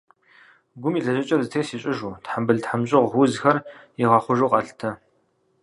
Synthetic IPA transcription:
ɡʷʊmiːɮɐʒɪt͡ʃʼɐrzɨtʰejsiːɕʼɪʒuːtħambɨɮtħamɕʼɨʁuzxɐrjiʁɑːχʷʊʒuqʼɐɬtʰɐ

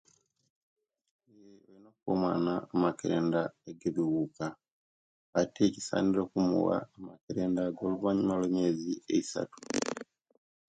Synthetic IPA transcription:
ejeweinokuko̰mwa̰naːmakeɾeːndaeɡeβiwuka | ateci̥sa̰ːndiɾokumṵwa̰ːmakiɾeːndaɡoluβaɲimaloɲeːzieisa̰tu̥

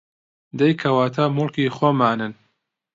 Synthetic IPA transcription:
d̪ɐjkʰɐwaːt̪ʰaːmʊlkiːxoːmaːnɨn

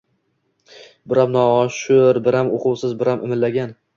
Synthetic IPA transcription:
bɪɾamnɒːʃʊɾbɪɾamoqʰʊwsɪzbɪɾamʔɪmɪllaɡʲan

